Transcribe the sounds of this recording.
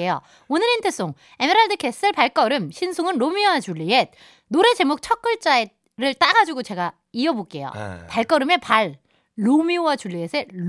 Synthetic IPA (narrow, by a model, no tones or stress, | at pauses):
ejo̰ | onɯɾintʰes͈oŋ | e̞meɾaɭdɯkʰe̞s͈ɯɭpaɭk͈ʌɾɯmɕʰinsʰoŋɯnɾomioat͡ɕuɭːiet̚ | noɾe̞t͡ɕe̞mok̚t͡ɕʰʌk͈ɯɭt͡ɕ͈ae | ɾɯɭt͈aɡad͡ʑuɡot͡ɕe̞ɡa | iʌbok͈e̞̰jo̰paɭk͈ʌɾɯme̞paɭː | omiowat͡ɕuɭːiesʰeɭ